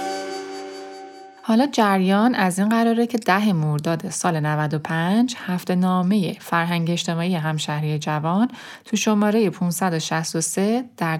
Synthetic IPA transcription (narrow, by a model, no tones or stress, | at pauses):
hɒːlɒːd͡ʒæɾjɒːnæzinɢæɾɒːɾecʰe̞d̪æɦe̞moɾd̪ɒːd̪e̞sɒːlenævæd̪o̞pʰænd͡ʒhæft̪e̞nɒːme̞je̞fæɾɦæŋɟeːʃt̪e̞mɒːije̞ɦæmʃæhɾijed͡ʒævɒn | t̪ʰuʃo̞mɒːɾe̞je̞pʰũnsæd̪o̞ʃæst̪osed̪̥æɾ